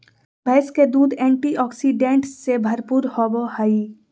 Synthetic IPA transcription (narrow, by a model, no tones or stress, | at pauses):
bʱɛːsked̪uːd̪ɛ̃ːɳʈiʔɔːksiɖẽːɳʈsebʱɐɾpuːɾhɔːbohaːi